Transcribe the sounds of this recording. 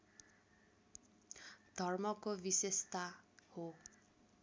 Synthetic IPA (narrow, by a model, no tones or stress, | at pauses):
d̪̥ʱɔɾmɔkobisest̪aho